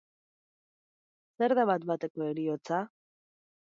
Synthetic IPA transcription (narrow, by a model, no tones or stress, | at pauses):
se̞ɾðaβat̪bat̪e̞ko̞eɾio̞t͡sa